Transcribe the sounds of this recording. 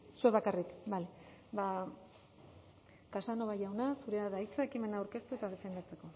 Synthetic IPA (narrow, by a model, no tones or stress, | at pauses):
sue̞βakarikbaleba | kasano̞βaʝawnasuɾe̞aðait͡sae̞kime̞naːwɾke̞st̪ue̞t̪að̞e̞fe̞nd̪at͡se̞ko̞